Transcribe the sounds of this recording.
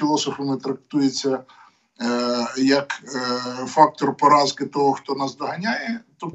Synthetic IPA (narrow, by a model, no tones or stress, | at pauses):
ilˠɔsɔfɐmɪt̪ɾɐk̚t̪ujet͡sʲːɐ | jɐk | fɑk̚t̪ɔrpɔɾɑzkɪt̪ɔɦɔxt̪ɔnɑsd̪ɔɦɐnʲajɛt̪ɔ